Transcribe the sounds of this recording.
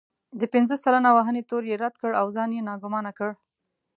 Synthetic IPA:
d̪əpɪnzəsalanawaɦənet̪oɾjeɾad̪kəɽawzɑnjenɑɡʊmɑnakəɽ

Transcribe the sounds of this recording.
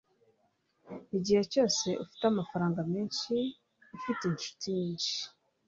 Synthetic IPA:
iɟiheco̞ːse̞ʔufi̥tamafaɾaːŋɡamiːnʃiː | fitenʃu̥tiɲiːnʃi̥

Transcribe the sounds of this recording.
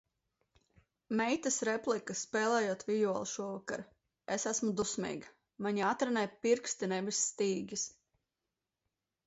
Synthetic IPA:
mɛjt̪asɾɛplˠikaspɛːlˠɛːjuɔt̪vʲijuɔlˠʃuɔvaka̰ɾ | esæsmud̪usmḭːɡa | maɲiat̪ɾɛnɛpiɾkst̪inɛvisːt̪iːɡʲis

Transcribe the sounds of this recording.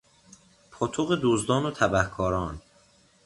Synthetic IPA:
pʰot̪ʰoɣed̪uːzd̪ɒːnot̪ʰæbæhkʰɒːɾɒːn

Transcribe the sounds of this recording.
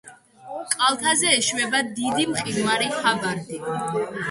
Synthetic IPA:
kʼalˠt̪ʰazɛːʃwɛbad̪id̪imχʼiɡmaɾihabaɾd̪i

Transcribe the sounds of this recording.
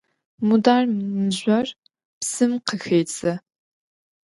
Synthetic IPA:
mudaːrnɨʑʷɐr | psɨmqəxɐjt͡sʰʼɐ

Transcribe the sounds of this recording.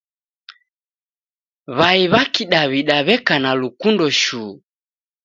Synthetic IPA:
βaiβakiɗaβiɗaβɛkanalukundɔʃuː

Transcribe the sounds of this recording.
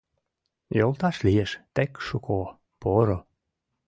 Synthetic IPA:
jolt̪ɑʃlijeʃt̪ekʃuko | poɾo

